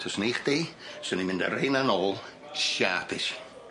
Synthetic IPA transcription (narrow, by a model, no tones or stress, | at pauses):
tʰɔsniːχd̥iːsənimɪ̃ndə̰ɾejnanɔːlˠ | ʃaːpʰɪʃ